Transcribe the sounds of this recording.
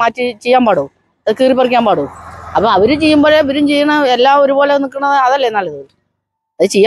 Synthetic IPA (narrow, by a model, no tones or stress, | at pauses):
aːtːit͡ɕejːaːmpaːɽu | ɐðɨkiːripːɐrikʲːaːmpaːɽuɐpːoɐʋɐɾut͡ɕe̞jːumbo̞ːleʋɐɾumt͡ɕe̞jːɐɳɐelːaːo̞ɾuboːlenikːɐɳɐðɨɐðɐlːenːɐɭɣɐ | ɐðɨt͡ɕe̞jːaː